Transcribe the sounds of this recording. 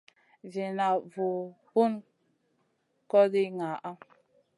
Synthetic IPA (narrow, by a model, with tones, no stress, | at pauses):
vi˨na˨vu˨ | bu˦n | kɔ˦di˦ŋa˨ʔa˦